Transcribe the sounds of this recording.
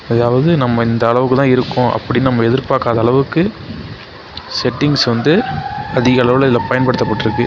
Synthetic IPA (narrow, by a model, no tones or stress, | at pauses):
ɐðaːʋɐðɯnɐmːɐɪnd̪ɐːɭɐʋɯkːɯt̪ãːɪɾɯkːʊ̃ʔɐ̰pːɐɽɪnːɯnɐmːɐɛðɪɾpaːkaːðɐːɭɐʋɯkːɯ | sɛʈːɪŋɡsʋɐnd̪ɯɐðɪɣɐːɭɐʋɯlɐðɪlɐpɐjɐnpɐɽɯt̪ːɐpːɐʈːɪɾɯkːɯ